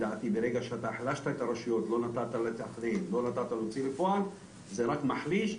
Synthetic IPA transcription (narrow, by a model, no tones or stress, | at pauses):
d̪at̪ibeɾeɡaʃeat̪aħlaʃt̪akaɾaʃujot̪lonat̪at̪alet̪aχd̪enlo̞nat̪at̪alot͡silefoan | zeɾakmaħliʃ